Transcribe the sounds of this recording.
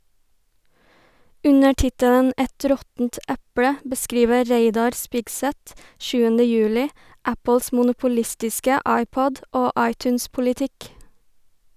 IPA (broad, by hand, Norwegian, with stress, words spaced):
ˈʉɲə ˈʈɪtələn ˈʔɛt ˈɾɔtn̩t ˈæpɽə bəˈskɾiːʋə ˈɾeɪdɑɾ ˈspɪɡˌsæt ˈʃʉːənə ˈjʉːlɪ ˈʔæpl̩s mʊnʊpʊˈlɪstɪskə ˈʔɑɪˌpɔd ˈoː ˈʔɑɪˌtʉːnspʊlɪˌtɪk